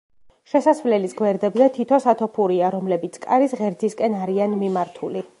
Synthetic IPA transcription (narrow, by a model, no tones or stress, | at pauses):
ʃɛsasvlɛlisɡwɛɾd̪ɛbzɛt̪ʰit̪ʰɔsat̪ʰɔpʰuɾiaɾɔmlɛbit̪sʰkʼaɾisʁɛɾzʰiskʼɛnaɾianmimaɾt̪ʰuli